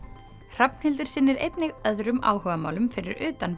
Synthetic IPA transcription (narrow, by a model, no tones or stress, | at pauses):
r̥apn̥hɪlt̪ʏɾ̥sɪnːɪɾḛjt̪nɪɣœðɾʏma̰ːwhœːvamaːwlʏmfɪɾɪ̰ɾʏːt̪an